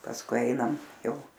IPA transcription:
pɐsˈkʊɪ ˈɐɪnɐm ˈjɛʊ

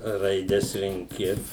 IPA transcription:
rɐɪˈdʲɛs rʲɛŋʲˈkʲɪ

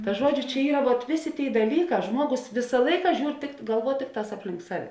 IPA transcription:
tɐ ˈʒuɔd͡ʒʲʊ t͡ʃʲɛ ˈiːrɐ ʋuɔt ˈʋʲeːˌsʲeː ˈtʲeːɪ dɐˈlʲiːˌkɑː ˈʒmuɔɡoːs ˈʋʲɪsɐ ˈlˠɐɪkɐ ˈʒʲuːr tʲɪkt ɡɐlˠˈʋuɔ ˈtʲɪkˌtɑːs ˈɑːpʲlʲɪŋk ˈsɑːˌʋʲɛ

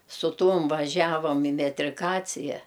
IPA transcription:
sʊ ˈtuɔm ʋɐˈʒʲæːʋɐm ɪ mʲɛtʲrʲɪˈkɑːt͡sʲɪjɛ

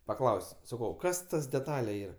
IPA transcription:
pɐˈklˠɐʊsʲ sɐˈkɐʊ ˈkɐs ˈtɐs dʲɛˈtɑːlʲɛ ˈiːrɐ

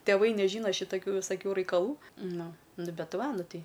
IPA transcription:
tʲɛˈʋɐɪ nʲɛˈʒʲiːnɐ ʃʲɪtɐˈkʲuː ʋʲɪsɐˈkʲuː rɐɪkɐˈlˠuː ˈnʊ ˈnʊ ˈbʲɛt ˈʋɐ ˈnʊ ˈtɐɪ

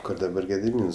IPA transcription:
ˈkoːr dɐˈbɐr ɡʲɛdʲɪˈmʲiːns

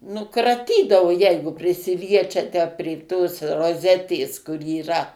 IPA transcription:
ˈnʊ krɐˈtʲiːdɐʋoː ˈjɛɪɡʊ pʲrʲɪsʲɪˈlʲiɛt͡ʃʲɛ tʲæː pʲrʲeː toːs roːˈzʲæːtʲeːs kʊr iːˈrɐ

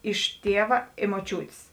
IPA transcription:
ɪʃ ˈtʲiɛʋɐ ɪ ˈmoːˈt͡ʃʲuːtʲeːs

